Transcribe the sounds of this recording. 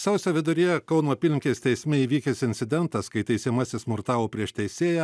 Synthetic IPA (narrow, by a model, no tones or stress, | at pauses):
sʲɛʊsʲoːʋʲɪd̪ʊɾʲijɛkɐʊnoːɐpʲiːlʲɪŋʲkʲeːsʲt̪ʲɛɪsʲmʲɛiːʋʲiːkʲɛsɪnʲt̪sʲɪd̪ʲɛnt̪ɐskɐɪt̪ʲɛɪsʲɛːmɐsʲɪsmʊɾt̪ɑːʋoːpʲɾʲiɛʃt̪ʲɛɪsʲeːjɛ